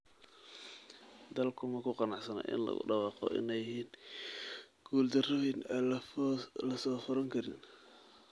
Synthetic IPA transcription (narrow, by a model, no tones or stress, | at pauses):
d̪ɐlkʰʊmɐkʰʊqɑnɑʕsɐnɐ̰ʔɪ̰nlɐ̰ɣʊ̰ɖɑwɑːqɔ̰ʔɪ̰nɛjɪhiːn | ɡ̥uːld̪ɐrɔin | lɐsɔːfʊɾɐŋkʰɐɾɪ̰n